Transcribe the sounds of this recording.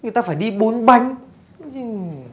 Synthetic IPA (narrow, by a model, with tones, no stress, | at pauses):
ŋɨ˨˩jt̪aː˧faː˧˩jɗi˧ɓo˨˦nɓa˧jŋ̟